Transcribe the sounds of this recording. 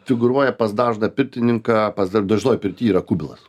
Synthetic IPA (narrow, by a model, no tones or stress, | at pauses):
fʲɪɡʊɾuɔjɛpɐsd̪ɑːʒnɐpʲɪɾʲt̪ʲɪnʲɪŋkɑːpɐsd̪ɐd̪ɐʒʲɪnoːjpʲɪɾʲt̪ʲiːiːɾɐkʊbʲɪlˠɐ̰s